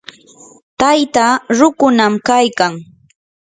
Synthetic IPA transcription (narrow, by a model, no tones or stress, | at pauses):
t̪ajt̪aɾʊkʊnamkajkaŋ